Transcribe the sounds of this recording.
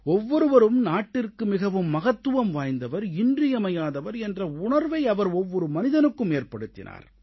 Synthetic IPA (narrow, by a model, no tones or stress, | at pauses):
ɔʋːɔɾɯʋɐɾɯmnaːʈːɪrkɯmɪɣɐʋɯmːɐɣɐt̪ːɯʋɐmʋaːjnd̪ɐʋɐɾɪndrɪjɐmɐjaːðɐʋɐɾɛndrɐʊɳɐɾʋɐɪɐʋɐɾɔʋːɔɾɯmɐnɪðɐnɯkːɯmeːrpɐɽɯt̪ːɪ̰nʔa̰ːɾ